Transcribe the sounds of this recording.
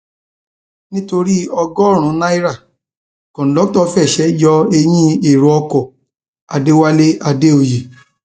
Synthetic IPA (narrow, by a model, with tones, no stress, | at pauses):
nĩ˦to˧ɾi˦ɔ˧ɡɔ˦˨ɾ̃ũ˨˦nã˦i˦ɾa˦˨ | kɔ̃˨n̩˨dɔ˨˦tɔ˦˧fɛ˦˨ʃɛ˨˦d͡ʒɔ˧˦e˧j̃ĩ˦e˦˨ɾo˨˦ɔ˧kɔ˨ | a˨˧de˦wa˦le˦a˧de˦o˨je˨